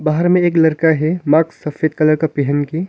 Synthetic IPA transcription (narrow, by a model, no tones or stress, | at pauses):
baːɦəɾmẽeːklɐɾkaɦɛmaːksːɐfeːd̪̚kɐləɾkapɪɦənki